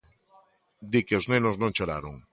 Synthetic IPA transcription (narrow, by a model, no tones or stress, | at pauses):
d̪ikeoznenoznõŋt͡ʃoɾa̰ɾoŋ